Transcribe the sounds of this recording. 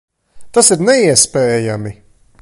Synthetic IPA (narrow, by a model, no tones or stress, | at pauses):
t̪asiɾnɛiɛspɛːjami